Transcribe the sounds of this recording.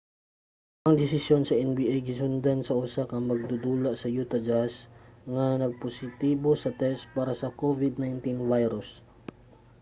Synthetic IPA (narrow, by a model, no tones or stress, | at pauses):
ʔɐŋd̪ɪsɪsjo̞nsɐʔɛnbiːʔejɡɪsʊnd̪ansɐʔusakɐŋmɐɡ̚d̪ud̪uːlaʔsɐjuːt̪ɐd͡ʒasŋɐnɐɡ̚posɪt̪iːbosɐt̪ɛst̪̚paːɾɐsɐkovɪd̪najnt̪invajɾʊs